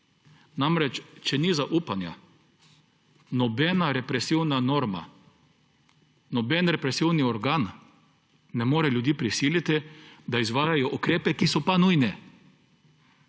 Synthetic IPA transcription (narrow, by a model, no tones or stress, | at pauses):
namɾɛt͡ʃt͡ʃɛnizaʔuːpanja̰ | nɔbɛnaɾɛpɾɛsiwnanɔɾma̰ | nɔbɛnɾɛpɾɛsiwniɔɾɡaːnː | ɛmoːɾɛljud̪jiːpɾisiːlʲit̪id̪aizʋaːjajɔʔukɾeːpɛkisɔpanuːjnɛ